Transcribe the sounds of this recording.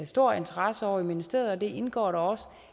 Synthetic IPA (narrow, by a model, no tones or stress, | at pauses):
sd̥o̝ɐ̰e̝nt͡sʰəʁasəɒʊɐimenəsd̥eð̩ˠɒ̽d̥e̝ʔe̝nɡ̥ɒ̰ːɾɑ̈ɒ̽sə̥